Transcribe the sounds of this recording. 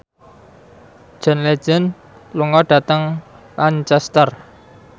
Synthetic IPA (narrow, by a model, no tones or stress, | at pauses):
ʒ̥ə̤nled̥ʒ̥ə̤n | luŋɔɖ̥ä̤t̪əŋ | lant͡ʃɛst̪ər